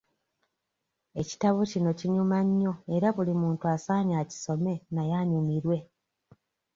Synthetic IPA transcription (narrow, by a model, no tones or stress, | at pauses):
e̞ci̥taβocino̞ciɲumaɲːo̞e̞ɾaβulimuːntuasaːɲaːci̥so̞me̞najaɲumiɾwe̞